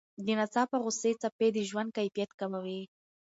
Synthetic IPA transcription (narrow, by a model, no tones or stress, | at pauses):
d̪ənat͡sɑpəɣʊset͡saped̪əʒwand̪̚kajfijat̪kamawi